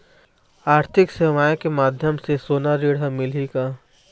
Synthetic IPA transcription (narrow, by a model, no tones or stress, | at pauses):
aːɾt̪ʰɪkseʋaːjkemaːd̪ʱjəmsesoːnaɾeːɽɦəmːɪlikaː